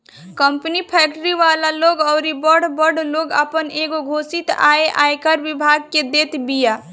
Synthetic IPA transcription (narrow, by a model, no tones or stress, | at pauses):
kəmpnipʰɛːk̚ʈɾiʋaːlaloːɡɔːɾibəɾɽbəɖloːɡə̰pəneːɡoɡʱoːsit̪a̰ːeʔa̰ːjkəɾʋɪbʱaːɡ̚ked̪eːt̪bija